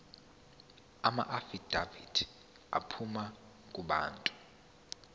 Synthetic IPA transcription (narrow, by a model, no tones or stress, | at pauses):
ama̰ʔafid̥ʱavid̥ | a̰pʰuma | kʼuɓa̰ːntʼu̥